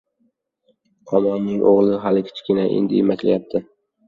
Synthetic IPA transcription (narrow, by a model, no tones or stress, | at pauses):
ɒmɒnːɪŋʔo̰ʁlˠɪɦalɪkʲʰɪ̥t͡ʃʰkʲɪnaʔḛnd̪ɪemakʲla̰jap̚t̪ʰɪ